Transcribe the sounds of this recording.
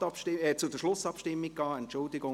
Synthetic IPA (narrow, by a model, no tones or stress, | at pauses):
ɑpʃɪɛt͡sʊdəʃlʊsɑpʃtɪmːikɑːɛntt͡ʃʊldɪɡʊ